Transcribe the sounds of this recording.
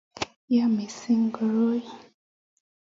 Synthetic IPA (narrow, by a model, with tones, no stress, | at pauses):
ja˦me˨si˦ŋ˦ɡə˨ɾo˦j